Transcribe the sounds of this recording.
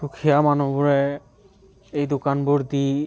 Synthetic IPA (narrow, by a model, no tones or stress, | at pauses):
ukʰijamanobuɾe | ejd̪okanbuɾd̪i